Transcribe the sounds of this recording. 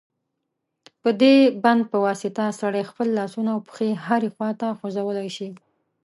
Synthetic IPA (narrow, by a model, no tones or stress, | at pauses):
pəd̪eband̪̚pəwɑsɪt̪asaɽajxpəlːɑsunawpə̥xehaɾexwɑt̪axozawəlajʃi